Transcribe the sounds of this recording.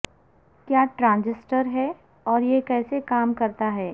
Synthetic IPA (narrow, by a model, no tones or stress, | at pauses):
kjaːʈɾãːnd͡ʒɪsʈəɾɦɛ | ɔːɾjekɛːsekaːmkɐɾt̪aɦɛː